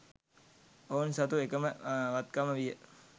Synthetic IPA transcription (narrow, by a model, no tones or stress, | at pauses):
oːnsɐt̪uekəməʋat̪̚kaməʋijə